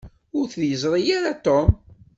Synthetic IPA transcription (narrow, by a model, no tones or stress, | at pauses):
ʊɾθðjəzˤɾˤijaɾat̪om